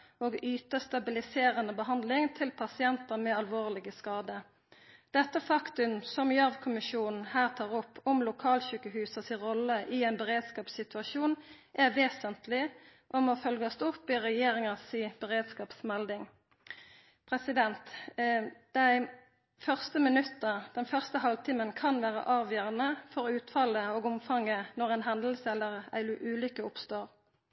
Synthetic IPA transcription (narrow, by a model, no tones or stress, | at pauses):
oːɡyːt̪əst̪ɑbɪlɪseːʁənəbəɦɑnd̪lɪŋt̪ʰɪlpʰɑsɪɛnt̪əmɛɑlʋoːʁlɪɡəskɑːd̪ə | d̪̥ɛt̪ːəfɑkt̪ʉmsɔmjɑʋkʰʊmɪʃuːnn̩hæːʁt̪ʰɑːʁɔpːɔmlʊkʰɑːlçyːkəɦʉːsəsɪʁɔləʔɪɛɪnbəʁeːd̪skɑːpsɪt̪ʉɑʃuːn | ʔæʋeːsənt̪lɪʔɔmofœlɡɔst̪ʊpːɪʁɛjeːʁɪŋəsib̥əʁeːd̪skɑːpsmɛld̪ɪŋ | pʰʁɛsɪd̪ɛnt̪ | d̪̥æɪ | fœʁst̪əmɪnʉt̪ːəd̪̥ɛnfœʁst̪əhɑlʋt̪ʰiːmənkʰɑnʋæːʁə̰ʔɑːʋjœːʁənəfɔʁʉːt̪fɑləoːɡʊmfɑŋːənɔʁæɪnɦɛnd̪l̩səɛlːəʁæ̰ɪʔʉːlʏkəʊpst̪oːʁ